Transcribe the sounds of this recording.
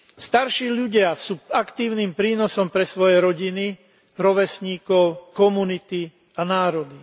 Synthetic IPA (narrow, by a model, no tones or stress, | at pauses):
st̪aɾʃiːʎuɟɪasuːakt̪iːʊniːmpɾiːnɔsɔmpɾɛsʋɔjɛɾɔɟini | ɾɔʋɛsɲiːkɔʊkɔmunit̪i | anaːɾɔd̪i